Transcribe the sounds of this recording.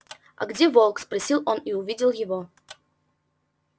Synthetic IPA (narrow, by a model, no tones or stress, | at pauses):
ɐ̰ɡdʲevolˠkspɾɐsʲilˠoniʊvʲidʲɪlˠjɪvo